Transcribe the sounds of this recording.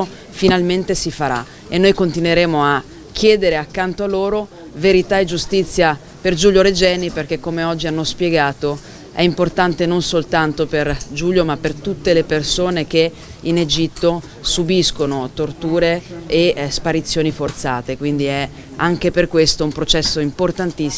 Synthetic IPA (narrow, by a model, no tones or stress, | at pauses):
o | finalment̪esifaɾa̰ | enːojkont̪inweɾeːmoa | k̟ʰːjɛːd̪eɾeakːant̪oalːoːɾo | veɾit̪aed͡ʒust̪it̪sːja | perd͡ʒuʎjoɾed͡ʒɛːniperkekːomeɔd͡ʒːianːospjeɡaːt̪o | ɛimport̪ant̪enonsolt̪ant̪operd͡ʒuːljomapːert̪ut̪ːelepersoːneke | ined͡ʒit̪ːo | subiskonot̪ort̪uːɾeː | spaɾit̪sːjoːnifort̪saːt̪ekwind̪iɛ | aŋkeperkwest̪oumpɾot͡ʃɛsːoimport̪ant̪isː